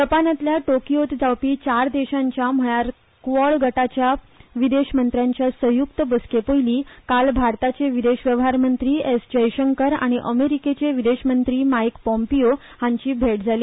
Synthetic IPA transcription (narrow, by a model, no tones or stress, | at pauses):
t̪əpanat̪ljaʈokijot̪d͡zawpiːt͡ɕaɾd̪eɕaɲt͡ɕjam̤əɭaɾ | kʋəɭɡʱəʈat͡ɕja | ʋid̪eɕmənt̪ɾjãɲt͡ɕjasəjuk̚t̪əbəskepojliːkalbʱaɾt̪at͡ɕeʋid̪eɕʋjəʋɦaɾmənt̪ɾiːesd͡ʑəjɕəŋkəɾa̰ɽ̃iʔəmeɾiket͡ɕeʋid̪eɕmənt̪ɾiːmajkpɔ̃mpio | hãɲt͡ɕiːbʱeʈd͡zʱaliː